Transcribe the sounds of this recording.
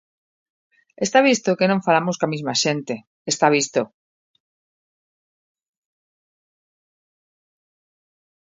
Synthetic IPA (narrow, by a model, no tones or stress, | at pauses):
est̪aβ̞ist̪okenõɱfalamoskamizmaʃent̪e | est̪aβ̞ist̪o